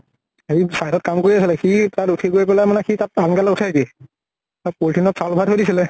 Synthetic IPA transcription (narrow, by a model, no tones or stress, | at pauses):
eisajdɔt̚kamkoɹiasilɛxitatutʰiɡojpɛlajmanɛxitat̚ankalɛutʰaɡi | apoltʰinɔtsalbʱatɦojdisilɛ